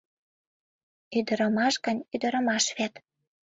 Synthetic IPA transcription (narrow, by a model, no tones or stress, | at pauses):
yd̪əɾə̆mɑʃɡə̆nʲyd̪ə̆ɾə̆mɑʃβet̪